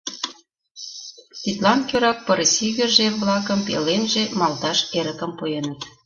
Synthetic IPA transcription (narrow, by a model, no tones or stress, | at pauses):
t̪it̪lɑnkʲøɾɑk̚pɤɾsiɣɘ̆rʒeβlɑkə̆mpḛlenʒemɑlt̪ɑʃeɾə̆kə̆mpujenət̪